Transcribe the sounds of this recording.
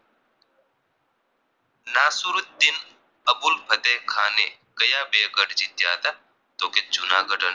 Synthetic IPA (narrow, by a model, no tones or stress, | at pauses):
naːsuɾut̪̚d̪in | ɐbulpʰɐt̪ekʰaːnḛːkɐjaːbeːɡɐʈd͡ʒit̪ja̰ːt̪ɐ | t̪oːket͡ʃunaːɡɐɖɐn